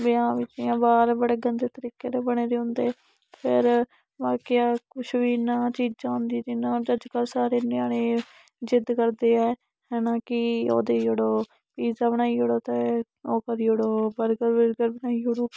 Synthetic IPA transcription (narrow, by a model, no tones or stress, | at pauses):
bɪãːʋɪt͡ʃiãːbaːɾbəɽeːɡənd̪eːt̪əɾiːkeːɾeːbəɽeːɾeːɦʊ̃nd̪eː | pʰɪɾ | ʋaːkijaːkʊt͡ʃʰʋiːnãːt͡ʃiːd͡ʒd͡ʒãːʊnd̪iːd̪iːnãːd͡ʒəd͡ʒkəɾsaːɾeːnaːɽẽː | d͡ʒɪd̪kəɾd̪eːɛː | ɦɛːnãːkɪo̰ːd̪eːd͡ʒəɽoː | piːzaːbənaːiːɦoːɽoːt̪eː | oːkəɾiːoɽoːbəɾɡəɾʋəɾɡəɾbənaːiːɦoɽoː